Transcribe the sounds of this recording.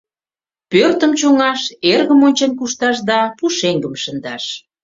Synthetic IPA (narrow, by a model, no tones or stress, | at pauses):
pørt̪əmt͡ɕoŋɑʃerɣəmonʲt͡ɕenkuʃt̪ɑʃd̪ɑpuʃeŋɡəmʃə̆nd̪ɑʃ